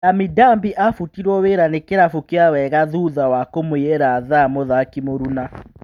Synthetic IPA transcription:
namidambiʔafutiɾwɔweɾanekeɾafukeawɛɣaðuðawakomojɛɾaðamoðakimoɾuna

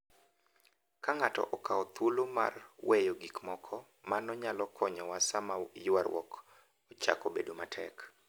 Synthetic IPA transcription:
kaŋatɔ̰ʔɔkaɔt̪uloma̰rwejoɡikmɔkʰɔ | manɔɲalɔkʰɔɲɔwasamajʊwarwɔ̰k | ɔt͡ʃa̰kobedomatʰɛ̰k

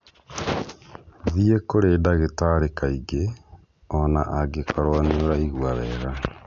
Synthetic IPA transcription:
ðiekoɾeːdaɣetaɾekaiɡe | ɔnaʔaɡekʰaɾwanoɾaiɣuaβɛːɣa

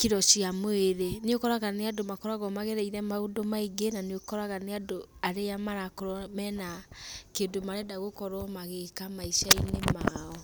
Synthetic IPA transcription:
kiɾɔʃiamoeɾeneokɔɾaɣaneadomakɔɾaɣɔmaɣeɾɛiɾɛmaodomaiɡenaneokɔɾaɣaneadoaɾejamaɾakoɾɔmɛnakeːdomaɾɛdaɣokɔɾɔmaɣekamaiʃainemaɔ

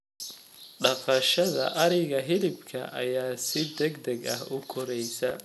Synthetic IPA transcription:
ɖɑqɑʃɐðɐ̰ʔɐɾɪɣɐɦɪlɪbkʰɐ̰ʔɐ̰jaːsɪd̪ɛɡd̪ɐɡɐɦʊkʰɔɾɛjsɐ

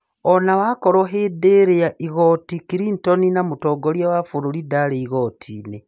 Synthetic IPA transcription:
onawakoɾoɦedeɾejaʔiɣotikiɾintoninamutoɡoljawafuɾulidaleiɣotʰḭne

